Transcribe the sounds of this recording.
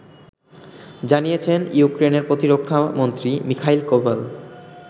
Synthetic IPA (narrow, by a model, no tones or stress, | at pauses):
d͡ʑanijet͡ɕʰenjukɾeneɾpɾot̪iɾokʰːamont̪ɾimikʰajlkobal